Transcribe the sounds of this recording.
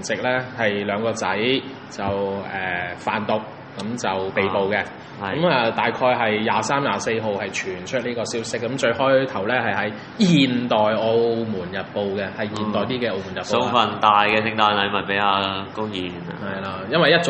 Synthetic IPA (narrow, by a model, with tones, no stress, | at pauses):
nt͡sɪ˨k̚lɛː˥hɐ˨jlœː˨˧ŋkɔː˧t͡sɐ˨˥j | t͡sɐ˨wɛː˨faː˨˩nt̪ʊ˨k̚ːɐ˨˧˥mt͡sɐ˨wpe˨jpo˨wkɛ˧ | kɐ˦˥mɐː˨˩t̪aː˨jkʰɔː˧jɦɐ˨jːaː˨˧saː˥mjaː˨˧se˧jɦo˨whɐ˨jt͡ʃʰyː˨˩nt͡ʃʰɵ˥t̚niː˥kɔː˧siː˥wsɪ˥k̚ːɐ˨˥mt͡ʃɵ˧ɥhɔː˥t̪ʰɐ˨˩wlɛː˥ɦɐ˨jɦɐ˨˥j | jiː˨˩nt̪ɔː˨jo˧wmuː˨˩njɐ˨t̚po˨wkɛ˧hɐ˨jjiː˨˩nt̪ɔː˨jt̪iː˥kɛ˧o˧wmu˨˩jɐ˨pso˨˧˥ŋfɐ˨˩nt̪aː˨jkɛ˧t͡sʰɪ˧ŋt̪aː˧nlɐ˨˧jmɐ˨t̚pe˨˥jaː˧kʊ˥ŋjiː˨nhɐ˨jlaː˧jɐ˥nwɐ˨˩jɐ˥t̚t͡s